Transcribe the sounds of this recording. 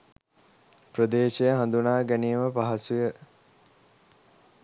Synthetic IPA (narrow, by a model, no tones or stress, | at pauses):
prəd̪eːʃejəɦand̪unaːɡænijəməpaɦasujə